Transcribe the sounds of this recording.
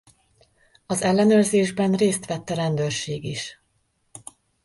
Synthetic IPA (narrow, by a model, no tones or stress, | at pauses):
ɒzɛlːɛnøːrzeːʒbɛnreːst̪ʋɛt̪ːɛɾɛnd̪øːrʃeːɡiʃ